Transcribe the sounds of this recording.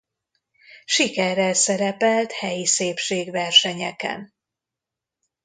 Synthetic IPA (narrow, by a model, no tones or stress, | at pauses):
ʃikɛrːɛlsɛɾɛpɛlt̪hɛjiseːpʃeːɡvɛrʃɛɲɛkɛ̰n